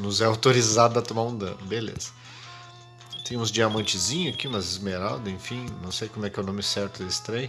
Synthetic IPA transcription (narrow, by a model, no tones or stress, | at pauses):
nʊzɛawt̪oɾizad̪ʊɐt̪õmaɾõd̪ɐ̰̃belḛzɐ̥ | t̪ẽj̃ũzd͡ʒiamɐ̃nt͡ʃɪzĩɲʊakimɐzɪzmeɾa̰d̪ʊẽfĩnɐ̃w̃sejkomʊɛkɪɛwnõmɪsɛɾt̪ʊd̪ɐist̪ɾɛj